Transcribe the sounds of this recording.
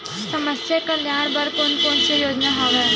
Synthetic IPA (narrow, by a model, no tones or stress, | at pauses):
səməsjəkɐljaːɽ̃bəɾkonkoːnsejoːd͡ʒnaɦoːʋe